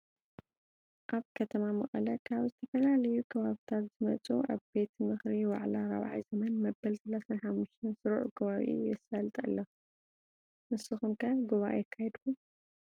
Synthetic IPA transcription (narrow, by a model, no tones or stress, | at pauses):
ʔaβkʰɐt̪ʰɐmamɐχʼɐlɐkʰaβzɨt̪ʰɐfɐlalɐjukʰɐβaβit̪ʰat̪zɨmɐt͡sʼṵʔa̰βbe̞t̪mɨxɾiwa̰ʕlaɾɐ̰β̰ʕḭzɐmɐnmɐbːɐlsɐlasanħamːuʃt̪ʰɐnsɨɾʕṵkʰɐβaβḭʔɨ̰jjɛsalt̪ʼɐ̰lːɐ | mɨsːɨxumkʰɐʔɡuβaʔjɪkʰːahɛd̪kʰu